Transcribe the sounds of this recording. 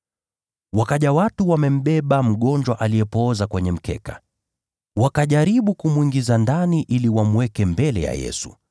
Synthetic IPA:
wakaʄawatuwamɛm̩ɓɛɓam̩ɠɔnd͡ʒwaʔaliɛpɔzakwɛɲɛm̩kɛ̰ka | wakaʄaɾiɓukumwiŋɡizandaniʔiliwamuwɛkɛmbɛlɛ̰ja̰jɛ̰su̥̰

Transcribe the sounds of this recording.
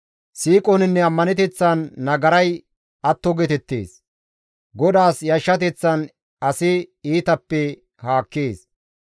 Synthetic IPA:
siːkʼɔnɪnːɛɐmːɐnɛt̪̬ɛt͡sːɐnːɐɡɐɾɐj | ɐt̪ːɔɡɛt̪ɛt̪ːḛːs | ɡɔd̪aːsjɐʃːɐt̪̬ɛt͡sːɐn | ɐsɪiːt̪ɐpːɛ | haːkːeːs

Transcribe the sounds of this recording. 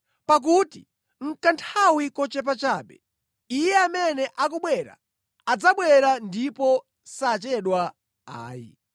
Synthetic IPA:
pak̬utḭ | ŋ̩kantʰawikɔt͡ʃɛp̬at͡ʃaːɓɛ | ijɛamɛnɛʔak̬ɔɓwɛɾa̰ | ad͡zaɓwɛɾandipɔ | sat͡ʃɛɗwa | a̰ːjḭ

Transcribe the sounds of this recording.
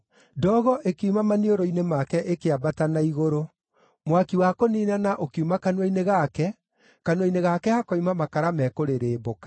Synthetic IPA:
dɔːɣɔʔekeumamanioɾɔinemakɛʔekeabatanaiɣoɾo | mwakiwakoniːnanaʔokeumakanwaineɣakɛ | kanweineɣakɛhakaumamakaɾamɛkoɾeɾeːbokḁ

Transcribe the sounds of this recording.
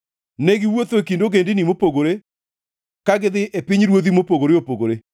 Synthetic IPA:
neɡɪwot̪oekindoɡendɪnimopoɡoɾe | kaɡɪðɪʔepɪɲɾwoðimopoɡoɾeopoɡoɾe

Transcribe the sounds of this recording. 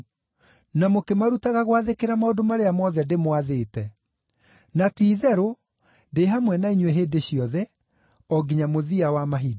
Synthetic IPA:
namokemaɾutaɣaɣwaðekeɾamaodomaɾeamɔðɛdemwaðeːtɛ | natiːðɛɾo | ndeɦamwɛnaiɲwɛɦeːdeɕiɔðɛ | ɔɡiɲamoðiawamaɦid

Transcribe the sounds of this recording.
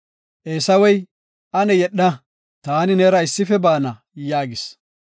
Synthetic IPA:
ʔeːsɐwɛj | ʔɐnɛjɛɗːɐ | t̪aːnɪnɛɾɐɪsːɪfɛbaːnɐ | jaːɡɪs

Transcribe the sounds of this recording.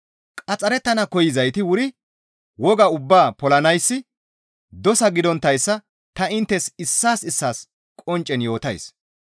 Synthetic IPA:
kʼɐt͡sʼɐɾɛt̪ːɐnɐkɔjɪzɐjt̪ɪwʊɾɪ | wɔɡɐʊbːaːpɔlɐnɐjsːɪ | d̪ɔsɐɡɪd̪ɔnt̪ːɐjsːɐ | t̪ɐɪnt̪ːɛsɪsːaːsɪsːaːs | kʼɔnt͡ʃʼːɛnjo̞ːt̪ɐjs

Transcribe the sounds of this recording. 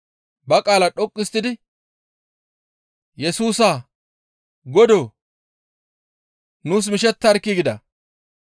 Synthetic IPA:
bɐkʼaːlɐᶑɔkʼːɪst̪ːɪd̪ɪ | jɛsuːsaː | ɡɔd̪o | nuːs̬mɪʃ̬ɛt̪ːɐɾkːɪɡɪd̪ɐ

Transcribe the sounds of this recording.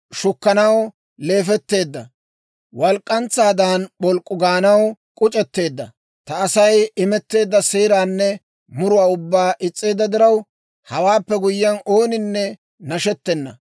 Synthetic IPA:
ʃʊkːɐnɐw | le̞ːfɛt̪ːe̞ːd̪ːɐ | wɐlkʼːɐnt͡sːaːd̪aːnɓɔlkʼːʊɡaːnɐwkʼʊt͡ʃʼɛt̪ːe̞ːd̪ːɐ | t̪ɐːsɐjɪmɛt̪ːe̞ːd̪ːɐseːɾaːnːɛ | mʊɾʊwaːʊbːaːʔɪt͡sʼːe̞ːd̪ːɐd̪ɪɾɐw | hɐwaːpːɛɡʊjːɐnʔo̞ːnɪnːɛ | nɐʃɛt̪ːɛnːɐ

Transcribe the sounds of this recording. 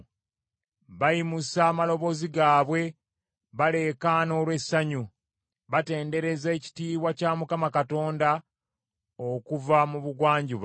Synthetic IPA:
βajimusaːmalo̞βo̞ziɡaːβwe̞ | βale̞kaːno̞ːlwe̞sːaɲu | βate̞ːnde̞ɾe̞zeːci̥tiːβwacaːmukamakato̞ːnda | okuvamuβuɡwaːɲɟuβ

